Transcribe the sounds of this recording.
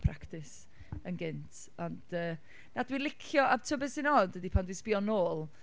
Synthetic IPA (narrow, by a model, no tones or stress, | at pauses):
pʰraktʰɪs | ənɡɪntʰ | ɔnd̥əː | nadwilˠɪkʰjɔʔab̥tʰəbɛsɪnɔdədipʰandwispiɔnoːlˠ